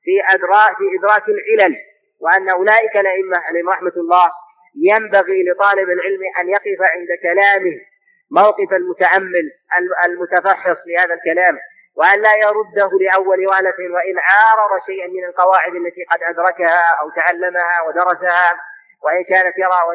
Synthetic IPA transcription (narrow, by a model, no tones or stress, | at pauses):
fiʔad̪ɾɑːfiʔɪd̪ɾˤɑːkalʕɪlal | wɪʔanːaʔʊlaːʔɪkalʔaʔɪmːaʕaleːmɾˤɑħmaɑlˤːɑːh | jambaɣilɪt̪ˤɑːlɪbalʕɪlmʔanjɑqɪfaʕɪnd̪akalaːmɪh | mawqɨfalmʊt̪aʕamːɪl | ʔalalmʊt̪afaħːɨsˤlɪhaːðalkalaːm | wɪʔanlaːjɑɾˤʊd̪ːahlɪʔawːalwaːlat̪ɪnwaʔɪnʕɑːɾˤɑðˤɑʃajʔanmɪnalqɑwaːʕɪd̪alːat̪iːqɑd̪ʔad̪ɾˤɑkahaʔawt̪aʕalːamahawad̪ɑɾˤɑsaha | waʔɪnkaːnat̪jɑɾˤɑːa